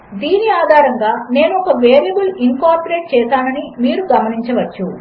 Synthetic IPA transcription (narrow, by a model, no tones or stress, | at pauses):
d̪iːniaːd̪ʱaːɾɐŋɡaːne̞ːnuɔkɐʋeːɾɐbuliŋkaːɾpɐɾeːʈ̚t͡ʃɛːsaːnɐnimiːɾuɡɐmɐniɲt͡ʃɐʋɐt͡ʃːu